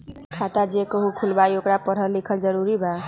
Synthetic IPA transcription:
kʰat̪ad͡ʒekoɦukʰulbajokɽapʌɾɦʌnlikʰʌld͡zʌɾuɾibʱa

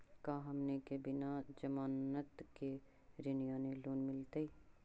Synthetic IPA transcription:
kaːɦɐmnekebɪnad͡ʒɐmaːnət̪ke | ɾɪnijãːneloːnmɪlt̪ei

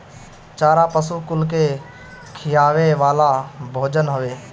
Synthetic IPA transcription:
t͡ʃaːɾaːpəsuːkʊlkeː | kʰɪjaːʋeːʋaːlaːbʱoːd͡ʒənɦʊʋeː

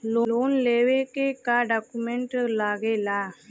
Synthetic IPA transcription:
loːloːnleʋekekaːɖaːkːumeɳʈlaːɣelaː

